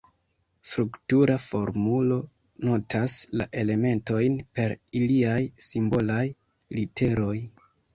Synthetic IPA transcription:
stɾuktuɾafo̞ɾmulo̞ | no̞tʰasla̰ʔe̞le̞me̞nto̞jnpe̞ɾiliajsimbo̞laj | lite̞ɾo̞j

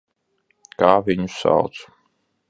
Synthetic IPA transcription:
kaːvʲiɲusa̰wt̪s

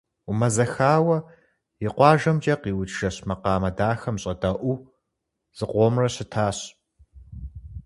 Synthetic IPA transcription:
ʊmɐzɐxaːwɐ | jɪqʷɑːʒɐmd͡ʒʼɐqiːwʊtʰʒ̥ɐɕmɐqɑːmɐdaːxɐmɕʼɐdɐʔʷu | z̥ɨqʷʼoːmrɐɕɪtʰaːɕ

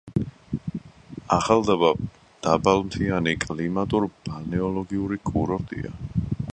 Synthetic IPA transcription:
aχalˠd̪aba | d̪̥abalˠmt̪ʰianikʼlimat̪ʼuɾb̥anɛɔlɔɡiuɾikʼuɾɔɾt̪ʼḭa̰

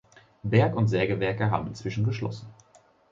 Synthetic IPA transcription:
bɛɐkʊntz̥ɛɐɡəvɛɐkəɦa̰ːbm̩ɪnt͡sv̥ɪʃn̩ɡəʃlɔ̰sn̩

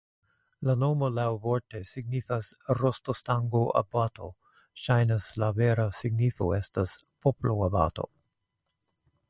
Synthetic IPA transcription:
lanomolawvoɾtesiɡnifasɾostostaŋɡoʔa̰batʰo̰ | ʃajnaslaveɾasiɡnifo̰estaspʰoploaba̰to̞̰

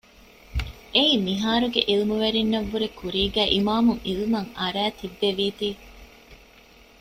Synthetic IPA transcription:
ʔeiːmiɦaːɾuɡḛʔilmuʋeɾinːɐʋːuɾekuɾiːɡæːʔimaːmuŋilumɐŋɐɾæːt̪ibːeʋiːt̪iː

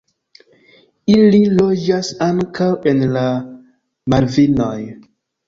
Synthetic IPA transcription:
ililod͡ʒasaŋkawenla | maɾvinoj

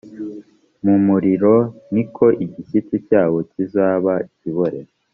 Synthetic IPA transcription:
mumuɾiɾonikʰo̞ʔiɟisitucaːwo̞cizaːβaciβoɾe

